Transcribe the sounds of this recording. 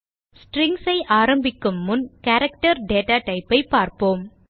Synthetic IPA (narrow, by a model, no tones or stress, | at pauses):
sʈɾɪŋɡsɐɪʔaːɾɐmbɪkːɯmːʊnkɐɾɐkʈɐɾɖeːʈaːʈɐɪpːɐɪpːaːɾpoːm